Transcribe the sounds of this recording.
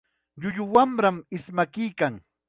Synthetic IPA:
ʎʊʎʊwamɾamɪsmakɪjkaŋ

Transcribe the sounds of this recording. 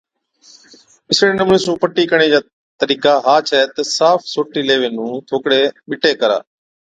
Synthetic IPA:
ɪsɽeːnəmnĩːsũːpəʈːiːkəɳ̃eːd͡ʒaː | t̪əɾiːkaːɦaːt͡ʃʰɛːt̪əsaːfsoːʈiːleːʋeːnũːt̪ʰoːkɽeːɓɪʈeːkəɾa̰ː

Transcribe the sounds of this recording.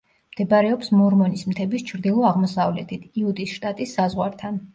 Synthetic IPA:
md̪̥ʰɛbɾɛɔpsmɔɾmɔnismt̪ʰɛbist͡ʃʰɾd̪ilˠɔaʁmɔsavlɛ̰t̪ʰit̪ʰiud̪isʃt̪ʼat̪ʼisːazʁwaɾt̪ʰan

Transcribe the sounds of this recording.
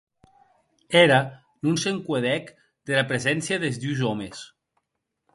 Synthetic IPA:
eɾa | nunseŋkweðɛk | d̪elapɾezɛnsjaðezðuwzɔmes

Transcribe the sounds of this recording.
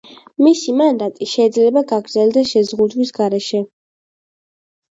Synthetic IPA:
misimand̪at̪ʼiʃɛid̪zlɛbaɡaɡɾd̪zɛld̪aʃɛzʁud̪wisɡaɾɛʃɛ

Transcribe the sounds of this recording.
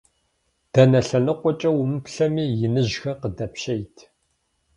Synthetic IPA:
d̥ɐnɐɬɐnɨqʷʼɔt͡ʃʼɐwʊmɨpɬɐmiːjɪnɨʑxɐqədɐpʃejtʰ

